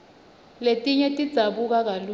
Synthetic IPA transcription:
letʼiɲɛtʼid̥z̥ʱaɓuk̬ak̬alu

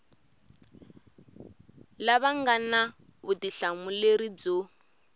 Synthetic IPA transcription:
laβaŋɡana | βutiɬamuleɾid͡zo

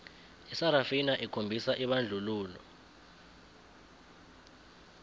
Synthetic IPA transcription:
isaɾafinaʔikʰombʱisaʔiɓand͡ɮʱuluːlɔ̰

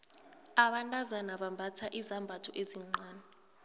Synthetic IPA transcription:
aɓantʼazanaɓambʱatʰaʔizambʱatʰɔʔeziŋ͡ǀaːnɛ

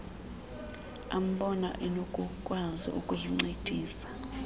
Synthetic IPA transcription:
a̰m̩ɓɔna̰ʔɛnokʼukʼwazḭʔukʼujiŋ͡ǀed̥ʱiːsḁ

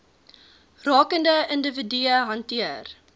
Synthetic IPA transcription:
rɑːkəndəəndəvədyəɦɐntiər

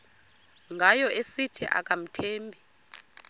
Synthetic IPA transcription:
ŋɡʱajɔesitʰiʔa̰k̬ʼam̩tʰeːmbʱi

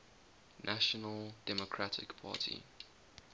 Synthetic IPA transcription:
nʔaʃɔnəldɛmokʰɹatʰɪ̰kpʰa̰ːtʰḭ

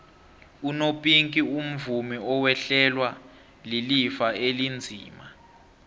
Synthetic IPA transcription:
unopʼiŋkʼium̩vumiɔwɛɬɛlwa | lilifaelind͡zʱiːma

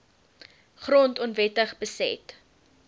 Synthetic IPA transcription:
χrɔntɔnvɛtəχbəsɛ̰t

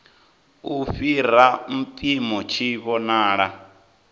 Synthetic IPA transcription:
ufiɾam̩pʼimɔt͡ʃʰiβɔnaːɺa

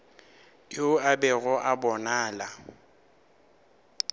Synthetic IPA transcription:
kʼɪʊabɛɣɔʔabɔnaːla

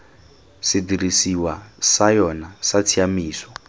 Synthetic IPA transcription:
sidiɾisiwasajɔnasat͡sʰiamiːsɔ̥

